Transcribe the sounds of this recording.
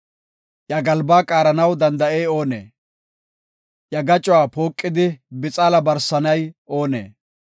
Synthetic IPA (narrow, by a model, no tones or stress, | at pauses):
ʔjɐɡɐlbaːkʼaːɾɐnɐwd̪ɐnd̪ɐʔeːo̞ːnḛː | ʔjɐɡɐt͡ʃʼʊwaːpo̞ːkʼːɪd̪ɪbɪt͡sʼaːlɐbɐɾsɐnɐjʔoːnḛː